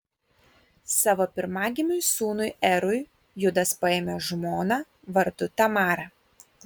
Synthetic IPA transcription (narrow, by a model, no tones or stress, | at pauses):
sɑːʋopʲɪɾmɑːɡʲɪmʲʊjsuːnʊɪɛɾʊɪ | jʊd̪ɐspɐeːmʲɛʒmoːnɑ | ʋɐɾd̪ʊt̪ɐmɑːɾɐ